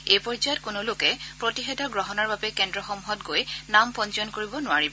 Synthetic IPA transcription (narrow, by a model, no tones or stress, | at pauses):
ejpɔɹzajɔtkʊnʊlʊkɛpɹotixɛdʱɔɹɡɹɔɦɔnaɹbabɛkɛndɹɔxɔmuɦɔtɡojnampɔnt͡ʃɔnkoɹibɔnʊaɹibɔ